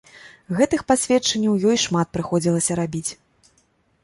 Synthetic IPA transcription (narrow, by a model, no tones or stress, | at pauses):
ɣɛt̪ɨxpasʲvʲɛt͡ʂɐnʲːɐwjɔjʂmat̪̚pɾɨxɔd͡zʲilˠɐsʲɐɾabʲit͡sʲ